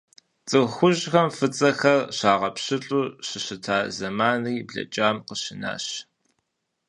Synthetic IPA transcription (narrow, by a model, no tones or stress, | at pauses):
t͡sʼɨxʷʊʑxɐmfɨt͡sʼɐxɐrɕaːʁɐpɕɨɬʼuːɕɨɕɨtʰaːzɐmaːniːbɮɐ̰t͡ʃʼaːmqəɕɪna̰ːɕ